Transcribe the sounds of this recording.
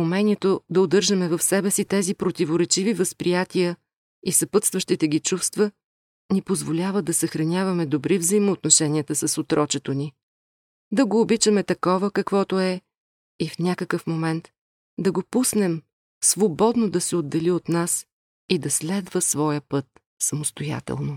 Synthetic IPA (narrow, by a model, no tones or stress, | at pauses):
umɛnʲiɛt̪od̪ɐod̪ɤɾʒəmɛvɐfsɛbɛsit̪ɛzipɾot̪ivoɾɛt͡ʃivivəspɾijat̪ijə | isɐpɤt̪st̪vəʃt̪it̪ɛɡʲit͡ʃufst̪və | nipozvolʲavəd̪ɐsɐxɾɐnʲavɐmɛd̪obɾivzəimoːt̪noʃɛnʲiət̪əsɐsot̪ɾɔt͡ʃɛt̪oni | d̪ɐɡoːbit͡ʃəmɛt̪ɐkɔvəkɐkvɔt̪oɛ | ifnʲakəkəfmomɛnt̪ | d̪ɐɡopusnɛm | svobɔd̪nod̪ɐsɛod̪ːɛliot̪nas | id̪ɐslɛd̪vəsvɔjəpɤt̪̚ | sɐmost̪oja̰t̪ɛ̰lˠno